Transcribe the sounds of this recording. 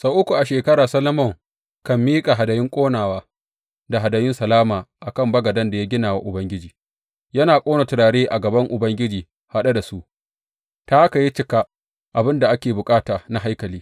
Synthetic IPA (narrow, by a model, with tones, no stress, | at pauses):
sa˦ʔʊ˦kʷu˨ʔa˨ʃeː˨kɐ˦ɾaː˨sɐ˦lɐ˦mɔ˦˨ŋ | kɐ˨mːiː˦kʼa˨ɦa˨dɐ˨jɪ˦ŋkʷʼoː˦naː˨waː˦ | da˨ɦa˨dɐ˨jɪ˦nsɐ˨laː˦maː˨ʔa˨kɐ˦˨mbɐ˦ɡɐ˨dɐ˦nda˨ja˦ɡʲɪ˦naː˨wa˦ʔʊ˨bɐ˦ŋɡʲɪ˦d͡ʒiː˨ | jɐ˦naː˨kʷʼoː˦na˨tʊ˨ɽaː˨ɽeː˦ʔa˨ɡɐ˨bɐ˦ŋʔʊ˨bɐ˦ŋɡʲɪ˦d͡ʒiː˨ | ha˦ɗa˦da˨su˦ʔ | ta˦ʔka˨ji˦t͡ʃɪ˦ka˦ | ʔa˨bɪ˦nda˨ʔa˦kʲeː˨bʊ˨kʼaː˦taː˨na˨ɦa˦jkɐ˨liː˦